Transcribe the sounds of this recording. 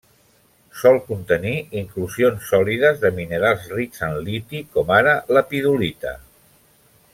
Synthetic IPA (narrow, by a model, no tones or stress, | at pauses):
sɔlˠkunt̪əniiŋkluzionsːɔliðəzðəminəɾalˠzrikzənlit̪ikɔmaɾələpiðulit̪ə̰